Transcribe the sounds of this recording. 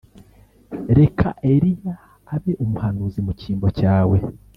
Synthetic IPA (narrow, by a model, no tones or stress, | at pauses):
ɾe̞kʰa̰ʔe̞ɾijaː | βe̞ʔumuhanuːzimuciːmbocaːwe̞